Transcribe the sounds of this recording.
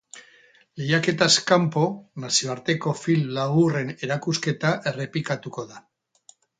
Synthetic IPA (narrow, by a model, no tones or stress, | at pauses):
le̞jake̞t̪askampo̞nasio̞aɾt̪e̞ko̞fillaɣure̞ne̞ɾakuske̞t̪aʔe̞re̞pikat̪uko̞ða